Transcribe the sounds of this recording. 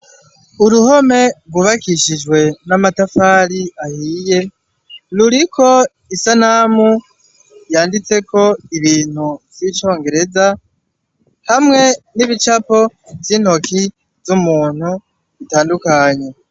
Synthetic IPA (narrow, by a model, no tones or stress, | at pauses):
uɾuho̞me̞ɡuβakiʃid͡ʒɡwe̞namatafaːɾiahiːje | luɾikʰo̞ | isanamu | jaːndit͡se̞kʰo̞iβiːn̥huvit͡ʃo̞ːŋɡe̞ɾe̞za | hamŋe̞niβit͡ʃapo̞viːn̥ho̞ki | zumuːn̥hu | βitaːndukaɲe̞